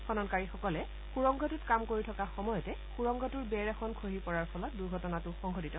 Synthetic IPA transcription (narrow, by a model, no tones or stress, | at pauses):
kʰɔnɔnkaɹixɔkɔlɛ | xuɹɔŋɡʱɔtutkamkoɹitʰɔkaxɔmɔjɔtɛ | xuɹɔŋɡʱɔtuɹbɛɹɛxʰɔnkʰoɦipɔɹaɹpʰɔlat̚duɹɡʱɔtɔnatʊxɔŋɡʱɔditɔ